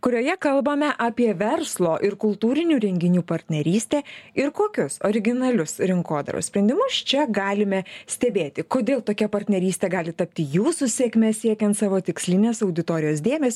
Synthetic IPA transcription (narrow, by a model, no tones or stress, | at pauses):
kʊɾʲoːjɛkɐlˠbɐmʲɛʔɑːpʲiɛʋʲɛrslˠoːʔɪɾkʊlˠt̪uːɾʲɪnʲuːɾʲɛŋʲɡʲɪnʲuːpɐɾʲt̪ʲnʲɛɾʲiːsʲt̪ʲeːɪɾkoːkʲʊsoːɾʲɪɡʲɪnɐlʲʊsɾʲɪŋkoːd̪ɐ̰ɾʊ̰sʲpʲɾʲɛnʲd̪ʲɪmʊst͡ʃʲɛɡɑːlʲɪmʲɛsʲt̪ʲɛbʲeːt̪ʲɪkoːd̪ʲeːlˠt̪oːkʲɛpɐɾʲt̪ʲnʲɛɾʲiːsʲt̪ʲeːɡɑːlʲɪt̪ɐp̚ʲt̪ʲɪjuːsʊsʲeːkmʲɛssʲiɛkʲɛnt̪sɑːʋoːt̪ʲɪksʲlʲɪnʲeːsɐʊd̪ʲɪt̪oːɾʲɪjoːsd̪ʲeːmʲɛsʲ